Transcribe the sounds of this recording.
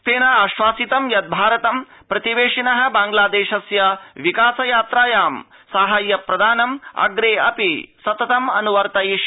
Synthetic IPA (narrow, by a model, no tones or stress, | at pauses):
t̪eːnɐaʃʋaːsit̪ɐmjɐtd̪̚bʱaːɾɐt̪ɐm | pɾɐt̪iʋeːʂinɐɦɐ̆baːŋɡlaːd̪eːʃɐsjɐʋikaːsɐjaːt̪ɾaːjaːm | saːɦɐjːɐpɾɐd̪aːnɐmɐ̰ɡɾeːɐ̰pisɐt̪ɐt̪ɐmɐnuʋɐɾt̪ɐjiʃ